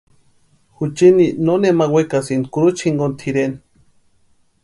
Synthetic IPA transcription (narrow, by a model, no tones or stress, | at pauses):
xut͡ʃininonemawekasinkuɾut͡ʃʰiŋɡont̪ʰiɾen